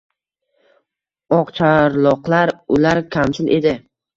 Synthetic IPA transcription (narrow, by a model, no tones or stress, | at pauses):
ɒqt͡ʃʰaɾlˠɒqlaɾʊlaɾkʲʰamsɪlʔe̞d̪ɪ